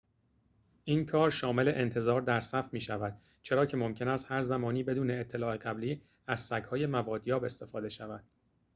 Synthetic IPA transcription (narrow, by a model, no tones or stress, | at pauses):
ʔiːnkʰɒːɾʃɒːme̞leʔent̪ʰe̞zɒːɾd̪æɾsæfmiːʃævæd̪̥̚ | t͡ʃʰe̞ɾɒːcʰe̞mo̞mcʰe̞næst̪hæɾzæmɒːniːbe̞d̪uːne̞ːt̪ʰːe̞lɒːe̞ɢæbliː | æzsæɡhɒːjemævɒːd̪jɒːbe̞st̪e̞fɒːd̪e̞ʃævæd̪̥̚